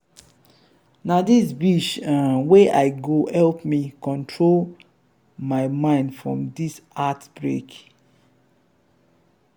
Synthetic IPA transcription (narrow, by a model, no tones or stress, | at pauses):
nadisbiʃãweʔaɪɡohɛlpmikɔ̃ntʰɹol | maɪmãɪ̃ndfɹɔ̰̃mdisatb̥ɹḛk